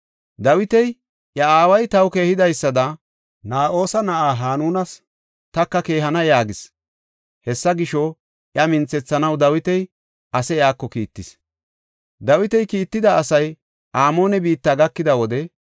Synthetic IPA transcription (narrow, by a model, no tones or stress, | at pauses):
d̪ɐwɪt̪ɛj | ʔjɐaːwɐjt̪ɐwke̞ːhɪd̪ɐjsːɐd̪ɐ | naːʔo̞ːsɐnɐʔaːɦaːnuːnɐs | t̪ɐkːɐke̞ːɦɐnɐjaːɡɪs | hɛsːɐɡɪʃɔ | ʔjɐmɪnt͡sːɛt͡sːɐnɐwd̪ɐwɪt̪ɛj | ʔɐsɛjaːkːɔkiːt̪ːɪs | d̪ɐwɪt̪ɛjkiːt̪ːɪd̪ɐːsɐj | ʔaːmo̞ːnɛbiːt̪ːaːɡɐkːɪd̪ɐwɔd̪ɛ